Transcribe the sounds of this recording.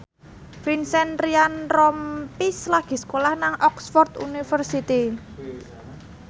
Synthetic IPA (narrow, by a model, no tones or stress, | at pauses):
finsɛnɾianrɔmpislaɡ̥i̤sə̥kolahnaŋʔɔksfɔrt̪ṵnifərsit̪i